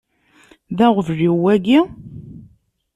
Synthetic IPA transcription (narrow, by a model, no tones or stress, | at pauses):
ðæʁvəʒiwæɡi